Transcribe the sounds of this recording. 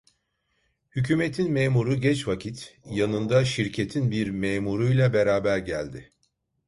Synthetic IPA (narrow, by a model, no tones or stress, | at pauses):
hycʰyːmet̪ʰinmeːmuɾuɟɛt͡ʃvacʰit̪janɯnd̪aʃiɾcʰe̞t̪ʰinbiɾmeːmuɾujlʲˠabe̞ɾaːbæɾɟælʲd̪ɪ